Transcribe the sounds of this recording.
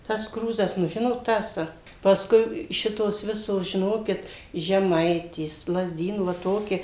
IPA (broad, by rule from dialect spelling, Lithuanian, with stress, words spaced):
tɐs ˈkruːzɐs nʊ ˈʒʲɪnoːt ˈtɐs pɐsˈkʊɪ ˈʃʲɪtoːs ˈʋʲɪsoːs ʒʲɪˈnoːkʲɪt ʒʲɛˈmɐɪtʲeːs lˠɐzʲˈdʲiːnuː ʋɐ ˈtoːkʲɪ